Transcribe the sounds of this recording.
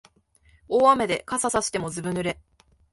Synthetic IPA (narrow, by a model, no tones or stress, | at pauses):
oːame̞d̪e̞kasasaɕi̥t̪e̞mo̞zɨbɯ̟̃nɯ̟ɾe̞